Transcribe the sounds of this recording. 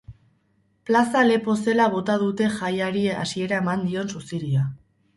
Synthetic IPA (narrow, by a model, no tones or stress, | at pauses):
plasale̞po̞se̞laβ̞o̞t̪að̞ut̪e̞xajaɾiea̰sie̞ɾae̞mand̪io̞nsusiɾia